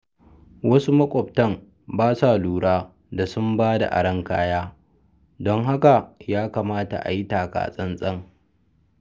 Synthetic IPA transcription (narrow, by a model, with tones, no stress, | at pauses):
wʔɐ˦su˦mɐ˦kʷʼɔ˨b̚tɐ˦m | baː˦saː˨luː˨ɽaː˦ | da˨sʊ˦mbaː˦da̰˨ʔa̰˨ɽɐ˦ŋkaː˦jaː˦ | dɔ˦ŋɦa˦ka˨jaː˦kaː˨maː˦ta̰˨ʔa̰˨ji˦taː˨ka̰ː˨sʼɐ˦nsʼɐ˦ŋ